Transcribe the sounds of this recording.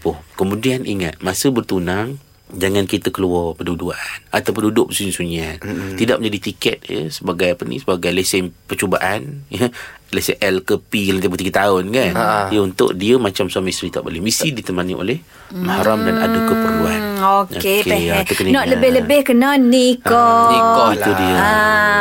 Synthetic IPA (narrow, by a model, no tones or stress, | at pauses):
pʊhkəmũdianʔḭŋa̰t̪̚masəbərt̪unaŋ | d͡ʒaŋankit̪əkəluɔrpəduduaʔanat̪awp̬əndudʊʔəsuɲisuɲiant̪ida̰ʔ̚mə̃ɲd͡ʒadit̪ikɛt̪̚jə̰səbaɡajapənḭsəbaɡajlesɛpət͡ʃobaʔanjəlesɛʔɛlkəpilanipət̪iɡət̪aʊnkandiəunt̪ʊ̰ʔdiəmat͡ʃamsuamaist̪ɾit̪aʔbo̰lemisidit̪əmanḭʔo̰lɛh | mahaɾamdana̰dəkəpəɾuanokoeɛt̪əkənnɔʔləbɪhləbɪhkənanikonikoiudiə